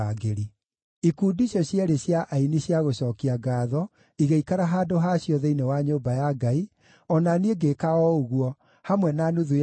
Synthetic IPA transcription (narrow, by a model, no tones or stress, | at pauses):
aɡeɾi | ikuːdiɕɔɕjɛɾeɕjaʔainiɕjaɣoɕɔːkiaɡaːðɔ | iɣeikaɾaɦaːdoɦaɕjɔðɛinewaɲoːbajaɡai | ɔnanieɡekaɔuɣwɔ | hamwɛnanuðu